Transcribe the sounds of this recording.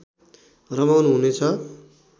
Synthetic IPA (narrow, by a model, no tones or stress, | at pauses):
rʌmawnɦunet͡sʰʌ